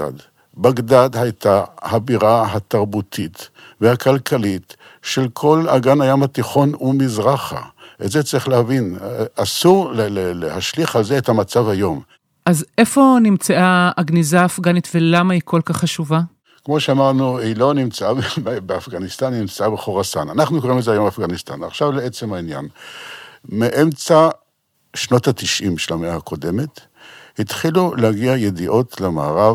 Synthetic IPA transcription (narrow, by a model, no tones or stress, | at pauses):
a̰d̪ | baɡd̪ad̪hajt̪ahabiʁaɦat̪aʁbut̪ʰit̪ | vehakalkʰalit | ʃe̞lkʰo̞laɡanajamat̪iχo̞numizʁaχa̰ʔetzet͡saʁiχleavinasuʁlelelehaʃliχalzeethamat͡savajo̞m | ʔaze̞fo̞nimt͡saaaɡnizaːfɡanitvelamaikʰo̞lkaχːaʃuva | kmo̞ʃeamaʁnuhilo̞nimt͡saabbbeafɡanist̪anːimt͡saabeχoʁasa̰nanaχnukoʁimlezeajo̞mbeafɡanist̪a̰naχʃavleet͡se̞mhainja̰n | meʔe̞mt͡sa | ʃno̞tat̪iʃʔimʃelameahako̞de̞me̞t | hitχilulehaɡiaje̞d̪iʔo̞t̪ʰlema̰ːʁav